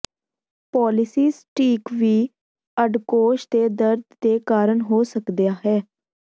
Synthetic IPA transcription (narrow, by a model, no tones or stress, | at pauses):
pɔːlɪsiːsʈiːkʋiː | əɖkoːʃt̪eːd̪əɾd̪d̪eːkaːɾəɳɦoːsəkd̪ejaːɦɛː